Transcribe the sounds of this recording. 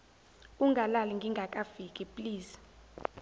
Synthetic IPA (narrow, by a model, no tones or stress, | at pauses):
uŋɡʱalaliŋɡʱiŋɡʱakʼafikʼɛpʼliːs